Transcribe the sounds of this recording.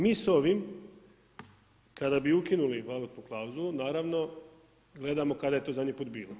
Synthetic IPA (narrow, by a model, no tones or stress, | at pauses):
miːsoʋim | kad̪abiukinuliʋalot̪poklˠawuzulˠunaːɾaʋno̞ | ɡle̞d̪amo̞kad̪aje̞t̪ozad̪ɲipuːt̪̚biːlˠo